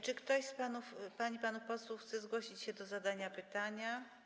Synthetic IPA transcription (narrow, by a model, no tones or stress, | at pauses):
t͡ʂɘkt̪ɔɕspanufpaɲipanupɔswuxt̪sɛzɡwɔɕit͡ɕɕɛd̪ɔzad̪aɲapɘt̪aɲa